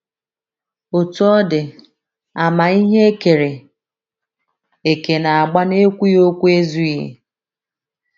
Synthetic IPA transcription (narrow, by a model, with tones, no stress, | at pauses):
o˨tu˨˦ɔ˦dɪ˨ | a˨ma˨i˦ɦe˦e˦ke˨ɾe˨ | e˨ke˨na˨a˨ɡ͡ba˦ne˦kʷu˦jo˦kʷu˦e˦zu˦ḭ˦˨